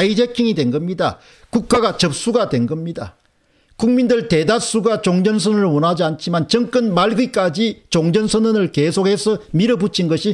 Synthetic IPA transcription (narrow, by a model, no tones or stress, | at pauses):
id͡ʑekʰiŋidwe̞nɡʌmɲida | kuk̚k͈aɡat͡ɕʌp̚s͈uɡadwe̞nɡʌmɲida̰ | kuŋmindɯɭte̞das͈uɡat͡ɕoŋd͡ʑʌnsʰɯnɯɯɭwʌnɦad͡ʑiant͡ɕʰimant͡ɕʌŋk͈ɯnmaɭɡik͈ad͡ʑit͡ɕoŋd͡ʑʌnsʰʌnɯnɯɭkesʰokhe̞sʰʌmiɾʌbut͡ɕʰinɡʌɕʰi